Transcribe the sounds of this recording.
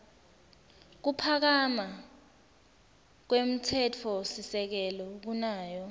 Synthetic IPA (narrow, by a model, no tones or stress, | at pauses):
k̬upʰak̬ama | k̬wem̩tʰɛtʰɔsisɛk̬ɛlɔk̬unaːjɔ